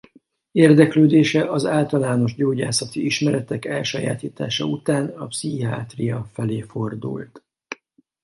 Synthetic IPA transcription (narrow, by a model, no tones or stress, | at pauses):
eːrd̪ɛkløːd̪eːʃɛʔɒzaːlt̪ɒlaːno̞ʒɟoːɟa̰ːsɒt̪iiʃmɛɾɛt̪ɛkɛlʃɒja̰ːt̪iːt̪a̰ːʃɒ̰ut̪aːnɒpsia̰ːt̪riɒfɛleːfo̞rd̪ṵlt̪